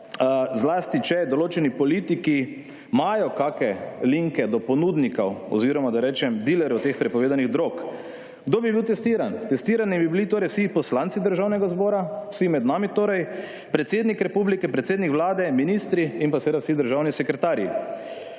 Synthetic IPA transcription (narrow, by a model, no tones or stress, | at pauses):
zlast̪it͡ʃɛd̪ɔloːt͡ʃɛnipɔliːt̪iki | majɔkakɛliŋkɛd̪ɔpɔnud̪nikɐwɔ̰ziːɾɔmad̪aɾɛːt͡ʃɛmd̪ilɛɾɔwt̪eːxpɾɛpɔʋeːd̪aniɣd̪ɾok | ɡ̥d̪oːbibiwt̪ɛst̪iːɾant̪ɛst̪iːɾanibibilit̪oːɾɛjwsipɔslant̪sid̪əɾʒawnɛɡazbɔːɾawsimɛd̪naːmit̪oːɾɛj | pɾɛt̪seːd̪nikɾɛpublikɛpɾɛt̪seːd̪nikʋlaːd̪ɛminist̪ɾiinpasɛʋed̪awsid̪əɾʒawnisɛkɾɛt̪aːɾjḭ